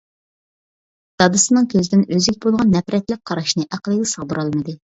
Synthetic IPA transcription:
d̪̥ɑd̪ɨsɨnɨŋkʲʰøzɪd̪ɪnøzikʲbolˠʁɑnːɛpɾɛt̪lɪk̚ʲqʰɑɾɑʃnɨʔæqəlˠɨɡʲɛsəɑʁd̪ɨɾɑlˠmɨd̪ɨ

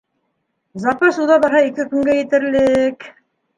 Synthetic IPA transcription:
zɑqɑsuðɑβbɑɾɦɑikɘkɵ̆ŋɡæjɘ̆t̪ɘ̆ɾlɘk

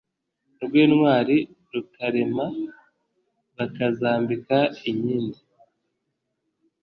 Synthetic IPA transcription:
nubɡweːnŋwaːɾi | ɾukaɾe̞ma | βakazaːmbikaiɲiːndi

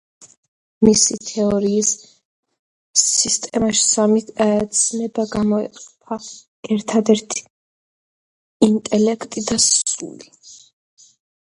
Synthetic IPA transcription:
misit̪ʰɛɔɾiːs | ist̪ʼɛmaʃi̥samit̪ʰaɛt̪sʰnɛbaɡamɔɛ̰qʼɔpʰa | ɛɾt̪ʰad̪ɛɾt̪ʰi̥ | int̪ʼɛlɛkʰt̪ʼid̪asṵli

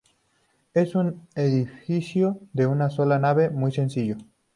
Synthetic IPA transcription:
esuneðifisjod̪eunasolanaβemujsensiʝo

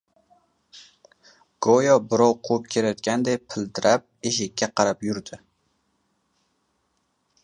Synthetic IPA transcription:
ɡ̥ojɒbɪɾɒwqʰop̚kʲʰe̞lajɒt̪̚kʲand̪ejpʰɪlt̪ʰɪɾap̚eʃ̬ɪkʲːaqʰɑɾapjʊɾd̪ɪ

